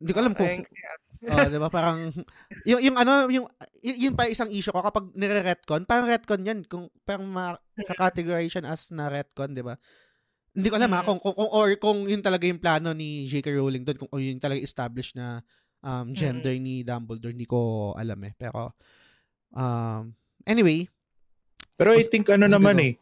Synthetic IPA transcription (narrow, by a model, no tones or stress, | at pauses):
ɪnd̪iːkoɐlamkʊŋ | ʔod̪ɪbapaːɾɐŋ | jʊŋjʊŋʔɐnojʊŋjʊnpɐʔɪsaŋʔiːʃʊko̞kɐpaɡ̚nɛɾɛɾɛt̪̚konpaːɾɐŋɾɛt̪̚konjankʊŋpaːɾɐŋmɐ | kɐkat̪ɛɡoɾajʃɐnɐʔɐsnɐɾɛt̪̚kond̪ɪba | hɪnd̪iːkoʔɐlamhakʊŋkʊŋkʊŋʔoɹkʊŋjʊnt̪ɐlɐɡajʊŋplaːno̞nid͡ʒejkɐɹowlɪŋd̪onkʊŋʔojʊŋt̪ɐlɐɡaʔɛst̪ablɪʃnɐ | ʔɐmd͡ʒɛnd̪ɛɹnid̪ambɐld̪ɔhnd̪iːkoʔɐ̰la̰mɛpɛ̰ːɾo̞̰ | ʔɐm | ʔɛnɪwej | pɛːɾoʔajt̪ɪŋkʔɐnonɐmanɛ